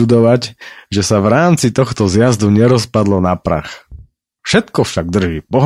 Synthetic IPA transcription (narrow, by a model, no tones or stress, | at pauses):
ud̪ɔʋaɟʒɛsaʋɾaːmt͡sit̪ɔxt̪ɔzjazd̪uɲɛɾɔspad̪lɔnapɾa̰x | fʃɛt̪kɔfʃaɡ̚d̪r̩ʒiːpɔɦ